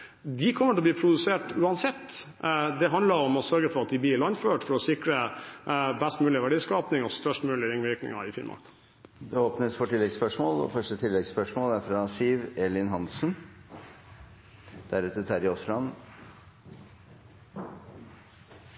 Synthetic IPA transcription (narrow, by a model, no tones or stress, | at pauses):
d̪ɪkʰɔmːəʈʰɛlɔb̪iːpʰɾʊd̪ʉseːʈʉːɑnsɛt̪ː | d̪ɛɦɑnd̪ləɾɔmɔsœɾɡəfɔɾɑt̪̚d̪ɪb̪liːɭɑnføːʈfɔɾɔsɪkɾə | bæst̪mʉːlɪʋæɖiːskɑːpnɪŋɔst̪œʂʈmʉːlɪɾɪŋʋɪɾknɪ̰ŋɑ̰ɪfɪ̰nmʔɑ̰k | d̪ɛoːpnəsfɔʈɪlːɛɡspœʂmoːlɔ̰fœʂʈət̪ʰɪlːɛɡspœʂmoːlæɾfɾɑsiːʋɛlɪnɦɑnsn | d̪̥æɾʉːt̪ət̪ʰæɾɪɔslɑn